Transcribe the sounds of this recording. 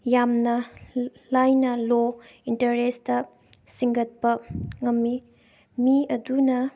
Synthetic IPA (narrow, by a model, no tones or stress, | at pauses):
jamnɐ | lajnɐlo | intɐɾestɐ | siŋɡɐt̚pɐŋɐmːi | miɐdunɐ